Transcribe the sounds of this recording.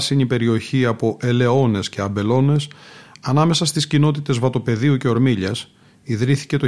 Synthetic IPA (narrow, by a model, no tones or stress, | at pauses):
siɲipe̞ɾio̞çiɐpo̞ʔe̞le̞o̞ne̞sceɐbe̞lo̞ne̞sɐnɐme̞sɐst̪iscino̞t̪it̪e̞zvɐt̪o̞pe̞ðiuce̞o̞ɾmiʎɐs | iðɾiθi̥ce̞t̪o